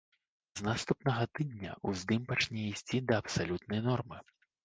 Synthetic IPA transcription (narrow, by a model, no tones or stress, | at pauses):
znast̪upnɐɣɐt̪ɨd̪ʲnʲɐ̰uzd̪ɨmpat͡ʂnʲɛisʲt͡sʲid̪ɐːpsalʲut̪nɐjnɔrmɨ